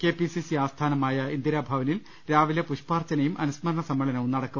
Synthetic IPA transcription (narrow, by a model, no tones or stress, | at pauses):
ke̞ːpisisiaːst̪ʰaːnɐmaːjɐind̪iɾaːbʱaːʋɐnil | ɾaːʋilepuʂpaːrt͡ɕːɐnɐjumʔɐnusmɐɾɐɳɐsɐmːɐɭɐnɐʋumnɐɽɐkːu